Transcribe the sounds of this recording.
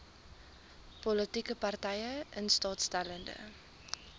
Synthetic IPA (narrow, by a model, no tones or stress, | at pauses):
pɔlətikəpɐrtɛjəʔənstɑːtstæləndə̰